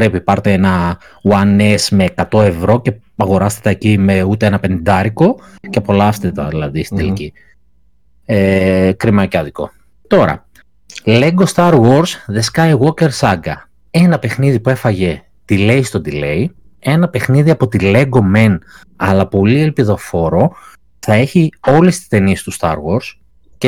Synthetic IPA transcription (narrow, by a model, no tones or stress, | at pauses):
pɾepipɐɾt̪eenɐ | wɐne̞sme̞ːkɐt̪o̞e̞vɾo̞ce̞ | ɐɣo̞ɾɐst̪e̥t̪ɐecimeut̪eenɐpe̞nind̪ɐɾiko̞cepo̞lɐst̪et̪ɐ̰ðilɐðist̪id̪elici | ekɾimɐcɐðiko̞̰ | t̪o̞ɾɐ̰ | le̞ɡo̞st̪ɐɾɣoɾsðe̞skɐjɣwo̞ce̞ɾsɐɡɐ̰ | e̞nɐpe̞xniðipuefɐʝe̞ | t̪ile̞ist̪o̞d̪ile̞i | e̞nɐpe̞xniðiɐpo̞t̪ile̞ɡo̞men | ɐlɐpo̞lielpiðo̞fo̞ɾo̞ | θɐe̞çio̞list̪i̥st̪e̞nie̞st̪ust̪ɐ̰ɾɣo̞ɾs | ce